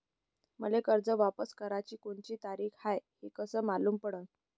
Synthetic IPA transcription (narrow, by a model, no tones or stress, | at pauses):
məlekəɾd͡zəʋapəskəɾat͡ɕiːkoɳt͡ɕiːt̪aɾiːkhajhekəsəːmaluːmpəɽə